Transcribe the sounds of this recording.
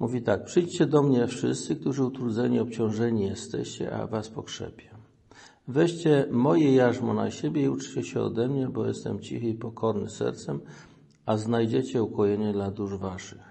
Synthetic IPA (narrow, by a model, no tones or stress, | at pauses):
muvʲit̪ak̚pʂɘjt͡ɕt͡ɕɛd̪ɔmɲɛfʂɘ̰st̪sɘk̚t̪uʐɘut̪ɾud̪zɛɲiɔp̚t͡ɕɔ̃w̃ʐɛɲijɛst̪ɛ̰ɕt͡ɕɛ̰ʔa̰vaspɔkʂɛ̰pʲjɛ | vɛɕt͡ɕɛmɔjɛjaʐmɔna̰ɕebʲjɛiut͡ʂt͡ɕɛɕɛɔ̰d̪ɛmɲɛbɔjɛst̪ɛ̰mt͡ɕḭxɘipɔkʰɔɾnɘsɛ̰ɾt̪sɛm | aznajd͡ʑet͡ɕɛukɔjɛɲɛd̪lad̪uʐvaʂɨx